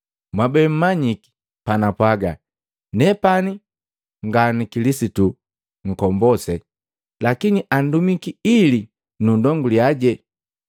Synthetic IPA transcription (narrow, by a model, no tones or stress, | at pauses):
mwabɛm̩mːaɲiki̥ | panapwaɡa̰ | nɛpani | ŋɡanikilisitu | ŋ̩kɔmbɔsɛ | lakiniʔandumikiili | nundɔŋɡuliaɟɛ